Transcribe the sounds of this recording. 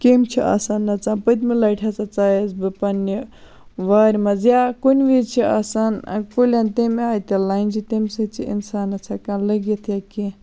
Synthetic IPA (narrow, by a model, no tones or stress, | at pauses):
kemt͡ʃʰiʔa̰ːsaːnːɐt͡saːnpɐt̪̬ʲmilɐjʈʰɐt͡sat͡saːjezbɨpɐni | ʋaːɾʲmɐzjaːkonʋit͡ʃʰia̰ːsaːnɐ̰kolʲaːnt̪emaːjt̪elaːint͡ʃʰit̪emʲsɐt͡ʃʰiḭnsaːnːɐt͡sʰaːkãːnlɐɡjit̪ʰjaki